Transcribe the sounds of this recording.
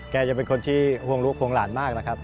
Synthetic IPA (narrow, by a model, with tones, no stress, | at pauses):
kɛː˧t͡ɕa˨˩pe˧nkʰo˧nt̪ʰiː˥˩hu˥˩əŋɾu˦˥kpʰːoː˧ŋlaː˩˦nmaː˥˩k̚na˥kʰɾa˦˥p̚